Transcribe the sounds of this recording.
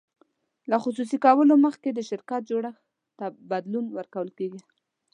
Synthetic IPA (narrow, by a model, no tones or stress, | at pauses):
laxʊs̬us̬ikɑwəloməxked̪əʃɪɾkat̪̚d͡ʒoɽəx | t̪abad̪lunwəɾkawəlkeɡi